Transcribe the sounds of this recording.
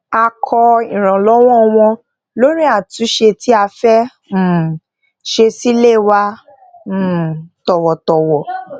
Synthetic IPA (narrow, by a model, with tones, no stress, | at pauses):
a˧kʰɔ˧ĩ˨ɾ̃ã˨lɔ˨˦w̃ɔ̃˦˧w̃ɔ̃˧ | lo˦ɾ̃ĩ˦a˦˨tu˨˦ʃe˧ti˦a˧fɛ̃˦˨ | ʃe˧si˦le˦˨wã˧˨ | tɔ˨wɔ˨tɔ˨wɔ˨